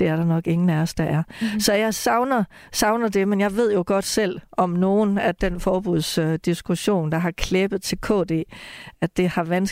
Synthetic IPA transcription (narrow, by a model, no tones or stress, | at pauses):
d̥e̝æɐɾɑ̈nɒ̽ɡ̥e̝ŋn̩næɐsd̥d̥ɑʔæɐsɒ̽jɑ̈ɪsɑ̈ʊnɐ | sɑ̈ʊnɐd̥e̝menjɑ̈ɪʋe̝ð̞̰ˠjo̝ɡ̥ɒ̽d̥sel̰ɒ̽mno̝ːnæd̥enfɒːb̥uð̰ˠsød̥isɡ̥uɕo̝̰ːnd̥ɑ̈ɦɑ̈kʰleb̥ð̩ˠt͡sʰe̝lkʰɔ̰̽ːd̥e̝̰ːædd̥e̝hɑ̈ʋæns